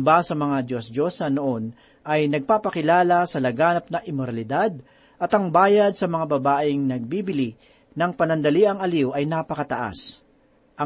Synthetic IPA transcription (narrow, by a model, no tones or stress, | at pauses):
basɐmɐŋad̪josdosɐnoʔon | ʔɐjnɐɡ̚paːpɐkɪlaːlɐsɐlɐɡaːnɐp̚nɐʔɪmoɾɐlɪd̪ad̪̚ | ʔɐt̪ɐŋbaːjɐd̪̚sɐmɐŋabɐbaːʔɪŋnɐɡ̚biːbɪli | nɐŋpɐnɐnd̪ɐliʔɐŋɐliwʔɐjnapɐkɐt̪ɐʔa̰s | ʔɐ